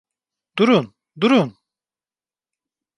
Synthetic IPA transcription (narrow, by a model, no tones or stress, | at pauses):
d̪̥uɾun | d̪uɾun